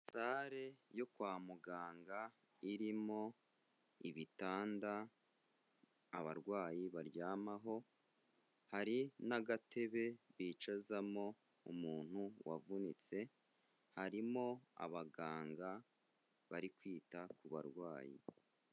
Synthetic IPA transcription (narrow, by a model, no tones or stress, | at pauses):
saːɾe̞jo̞kwaːmuɡaːŋɡa | iɾimo̞ | iβitaːnda | βa̰ɾɡwaːjiβaɾɟaːmaɦo̞ | haɾinaɡatʰe̞βe̞βiːt͡ʃazamo̞ | umuːn̥huwa̰vunit͡se̞ | haɾimo̞a̰βaɡaːŋɡa | βaɾikwiːtakuβa̰ɾɡwaːjḭ